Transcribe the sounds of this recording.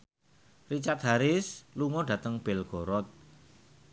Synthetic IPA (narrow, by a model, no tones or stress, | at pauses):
rit͡ʃat̪̚ɦaɾɪsluŋɔɖä̤t̪əŋb̥ɛlɡ̥o̤ɾɔt̪̚